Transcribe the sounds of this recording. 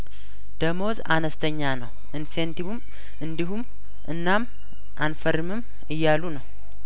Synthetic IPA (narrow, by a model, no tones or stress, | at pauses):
d̪̥əmo̞za̰nəst̪ʰəɲːanəw | ʔɨnse̞nt̪iβum | ɨnd̪iɦum | ʔɨnːam | ʔanfəɾɨmɨm | ɨjːalːunəw